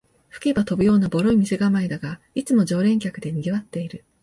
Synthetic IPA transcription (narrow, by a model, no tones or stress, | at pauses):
ɸɯ̥kʲebat̪o̞bɯ̟jo̞ːnabo̞ɾo̞imʲise̞ɡamaid̪aɡa | it͡sɨmo̞ʑo̞ːɾẽ̞ŋkʲakɯ̟d̪e̞ɲ̟iɡʲiβat̪ːe̞iɾɯ̟